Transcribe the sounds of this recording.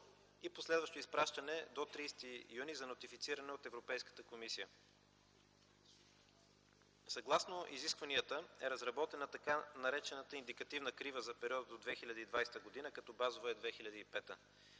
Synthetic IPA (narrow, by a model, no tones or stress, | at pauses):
iposlɛd̪vəʃt̪oispɾaʃt̪ɐnɛd̪ot̪ɾijst̪ijunizɐnot̪ifit̪siɾɐnɛot̪ɛvɾopɛjskə̥t̪əkomisijə | sɐɡlˠasnoʔiziskvɐniət̪əɛɾəzɾɐbɔt̪ɛnət̪ɐkanɐɾɛt͡ʃɛnət̪əind̪ikɐt̪ivnəkɾivəzɐpɛɾiɔd̪əd̪od̪vɛxilʲɐd̪id̪vajsɛ̥t̪əɡod̪inəkɐt̪ɔbazovəɛd̪vɛxilʲɐd̪iipɛt̪ə